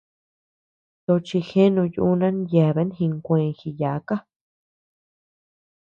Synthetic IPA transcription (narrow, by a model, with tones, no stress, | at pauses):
t̪o˧t͡ʃi˧xẽ˦nũ˧ju˧u˦nã˦nja˨βe˧˦n˦xĩ˧ŋkʷẽː˧ŋxi˧ja˨˦ka˦